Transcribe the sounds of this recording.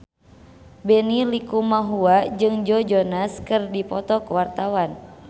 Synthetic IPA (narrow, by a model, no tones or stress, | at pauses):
bɛnilikumaɦuad͡ʒɨŋd͡ʒɔd͡ʒɔnaskɨrdipɔt̪ɔkuwart̪awan